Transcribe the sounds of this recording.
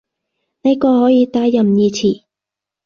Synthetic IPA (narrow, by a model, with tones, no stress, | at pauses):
ne˨˧˥jkɔː˧hɔː˨˥jiː˨˧t̪aː˧jːɐ˨˩mjiː˧t͡sʰiː˨˩